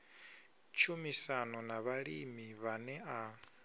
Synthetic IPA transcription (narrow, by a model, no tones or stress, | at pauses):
t͡ʃʰumisanɔnaβaɺimiβanɛa